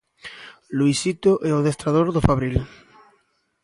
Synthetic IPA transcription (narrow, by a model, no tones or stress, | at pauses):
luisit̪oʔɛoðest̪ɾaðoɾðofaβɾil